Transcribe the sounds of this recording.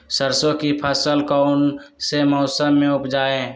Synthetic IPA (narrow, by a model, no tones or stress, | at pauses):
səɾsõkipʰəsəlkɔʊnsemɔːsəmːẽʊpd͡ʒaːe